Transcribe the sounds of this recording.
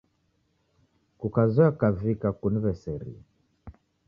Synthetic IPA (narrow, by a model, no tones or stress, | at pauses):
kukazɔakavikakunivɛsɛɾḭa